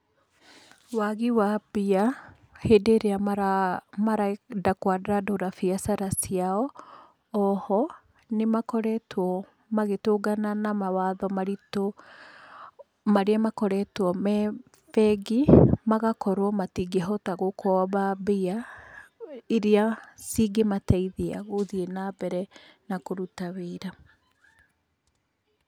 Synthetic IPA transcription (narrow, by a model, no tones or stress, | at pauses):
waɣiwabia | hedeːɾeamaɾamaɾadakwadɾadoɾafiasaɾasiaɔ | ɔhɔ | nemakɔɾɛtwɔ | maɣetoɡananamawaðɔmaɾito | maɾeamakɔɾɛtwɔmɛ | fɛɡimaɣakɔɾowɔmatiɡeɦɔtaɣokɔβabea | eɾeasiɡemataiðea̰ɣoðienabɛɾɛ | nakoɾutaβeːɾa